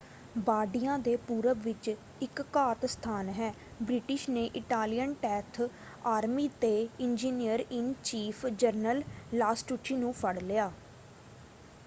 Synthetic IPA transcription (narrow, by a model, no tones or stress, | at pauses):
baːɖijãːd̪eːpuːɾəʋɪt͡ʃ | ɪkːaːt̪st̪ʰaːnɦɛː | bɾɪʈɪʃneːʔɪʈaːlijənʈɛːt̪ʰ | aːɾmiːt̪eːɪnd͡ʒiːnijəɾɪnt͡ʃiːpʰd͡ʒəɾnəllaːsʈuːʈʰːiːnũːpʰəɽlɪjaː